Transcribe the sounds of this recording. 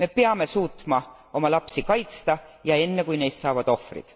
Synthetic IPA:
me̞peɑme̞suːt̪mɑ | o̞mɑlɑpsikɑjt̪st̪ɑjɑe̞nːekujne̞jst̪sɑːvɑd̪̥o̞frḭd̪̥

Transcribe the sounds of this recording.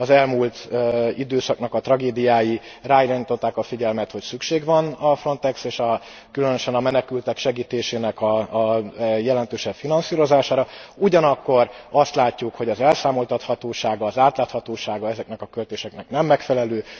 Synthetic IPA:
ɒzɛlmuːlt̪id̪øːsɒknɒkɒt̪ɾrɒɡeːd̪ijaːjiraːilaːniːt̪o̞t̪ːaːkɒfiɟɛlmɛt̪ho̞csykʃeːɡvɒnɒfro̞nt̪ɛkseːʃɒ | kylønøʃɛnɒmɛnɛkylt̪ɛkʃɛɡiːt̪eːʃeːnɛkɒ | jɛlɛnt̪øːʃɛpfinɒnsiːɾo̞zaːʃaːɾɒuɟɒnɒkːo̞rɒst̪laːcːukho̞ɟɒzɛlsaːmo̞lt̪ɒt̪hɒt̪oːʃaːɡɒːzaːt̪laːt̪hɒt̪oːʃaːɡɒɛzɛknɛkɒkølt̪eːʃɛknɛknɛmːɛkfɛlɛløː

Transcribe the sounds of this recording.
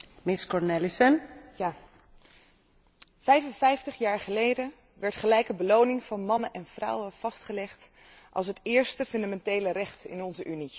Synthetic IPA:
mɪskɔɹnelisənja | v̥ɛjvənvɛjftəχjaːɹχəlejdən | ʋɛɹtχəlɛjkəbəlownɪŋv̥ɑnmɑnənʔɛnv̥rʌ̰wəv̥ɑstχəlɛχt | ʔɑ̰lˠs̬ɦətɪːɹstəfɵndamɛntejlərɛχtɪ̰nɔnzəʔyni

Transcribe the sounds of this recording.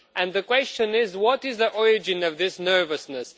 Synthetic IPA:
ʔɨ̃nðɨkw̥ɛst͡ʃɨ̃nɪzwʌtɪzðiʔɔɹɪd͡ʒɨ̃nʌvðɪsnɜ˞vɨsnəs

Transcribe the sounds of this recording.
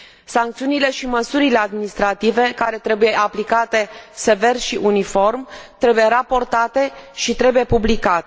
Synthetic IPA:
saŋk̚t̪siunile̞ʃiməsuɾile̞ad̪̚minist̪ɾat̪ive̞kaɾe̞t̪ɾe̞buje̞ʔaplikat̪e̞se̞ve̞rʃiʔunifo̞rmt̪ɾe̞buje̞ɾapo̞rt̪at̪e̞ʃit̪ɾe̞buje̞publikat̪

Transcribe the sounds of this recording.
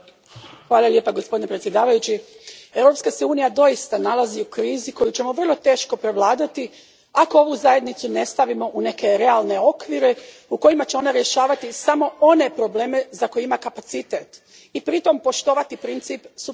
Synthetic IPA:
xʋaːlˠalje̞paɡospd̪inepɾetsʲje̞d̪aːʋajut͡ɕie̞wɾo̞pskaseuːnijad̪o̞jist̪analaziukɾiːziko̞jut͡ɕe̞moʋr̩lˠo̞t̪eːʃko̞pɾe̞ʋlˠaːd̪at̪i | ako̞o̞ʋuzaje̞d̪nit̪sune̞st̪aʋimo̞ʔune̞ke̞ɾe̞alne̞o̞kʋiɾe̞ | uko̞jimat͡ɕe̞o̞naɾje̞ʃaːʋat̪isamo̞o̞ne̞pɾo̞ble̞ːme̞zako̞jeimakapat̪sit̪et̪ | ipɾit̪o̞mpo̞ʃt̪o̞ːʋat̪ipɾint̪sipsu

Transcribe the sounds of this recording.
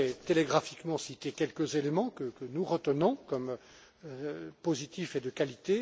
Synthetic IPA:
ɛt̪eleɡʁafikmɑ̃sit̪ekʲɛlkəzelemɑ̃kəkənuʁət̪ənɔ̃kɔm | pozit̪ifed̪əkalit̪e

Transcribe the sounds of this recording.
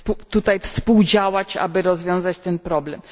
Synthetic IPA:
put̪ut̪ajfspuwd͡ʑawat͡ɕa̰bɘɾɔzvʲjɔ̃w̃zat͡ɕt̪ɛnpɾɔblɛm

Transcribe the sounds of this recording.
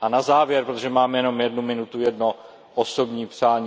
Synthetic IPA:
ʔanazaːvjɛɾpɾot̪oʒɛmaːmɛjɛno̞mjɛdnumɪnut̪ujɛdno | ʔosobɲiːpr̥aːɲː

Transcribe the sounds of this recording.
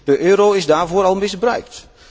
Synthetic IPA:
d̥əʔøːɾoɪzdaːɹvʊːɾɑlˠmɪsbrœɥk̚t

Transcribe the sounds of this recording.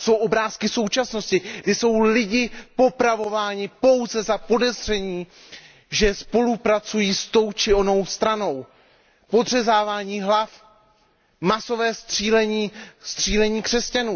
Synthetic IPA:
so̞wʔo̞bɾaːskɪso̞wt͡ʃasnoscɪɡdɪso̞wlɪɟɪpo̞pɾavo̞vaːɲɪpo̞wzɛzapo̞dɛzr̝ɛɲiː | ʒɛspo̞lupɾat͡sujiːst̪o̞wt͡ʃɪo̞no̞wst̪ɾano̞w | po̞dr̝ɛzaːvaːɲiːɦlaf | maso̞vɛːst̪r̥iːlɛɲiːst̪r̝̥iːlɛɲiːkr̝̥ɛscanuː

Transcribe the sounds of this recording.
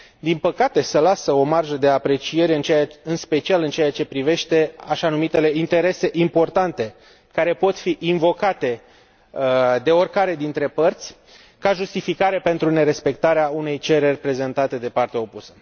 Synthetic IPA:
d̪inpəkat̪e̞səlasəo̞marʒəd̪e̞apɾe̞t͡ʃie̞ɾeɨnt͡ʃeɨnspe̞t͡ʃialɨnt͡ʃe̞at͡ʃe̞pɾive̞ʃt̪e̞aʃanumit̪e̞le̞int̪e̞ɾe̞se̞ʔimpo̞rt̪ant̪e̞ | kaɾe̞po̞t̪fiʔinvo̞kat̪e̞ | d̪e̞o̞rʲkaɾe̞d̪int̪ɾe̞pərt̪sʲ | kaʒust̪ifikaɾepe̞nt̪ɾune̞ɾe̞spe̞k̚t̪aɾeaune̞jt͡ʃe̞ɾe̞rʲpɾe̞ze̞nt̪at̪e̞d̪e̞part̪eao̞pusə̥

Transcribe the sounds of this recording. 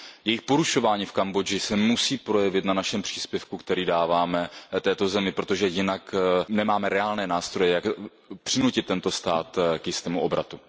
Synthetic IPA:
jɛjɪxpo̞ɾuʃo̞vaːɲiːfkambo̞d͡ʒɪsɛmusiːpɾo̞jɛvɪt̪nanaʃɛmpr̥iːspjɛfkukt̪ɛɾiːdaːvaːmɛt̪ɛːt̪o̞zɛmɪpɾo̞t̪o̞ʒɛjɪnaknɛmaːmɛɾɛaːlnɛːnaːst̪ɾo̞jɛjak | pr̥ɪnucɪt̪ːɛnt̪o̞st̪aːt̪kjɪst̪ɛːmuʔo̞bɾa̰t̪u

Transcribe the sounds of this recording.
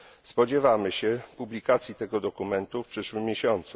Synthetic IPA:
spɔd͡ʑɛvamɘɕɛpublʲikat̪sʲjit̪ɛɡɔd̪ɔkumɛnt̪ufpʂɘʂwɘmːjeɕɔnt̪su

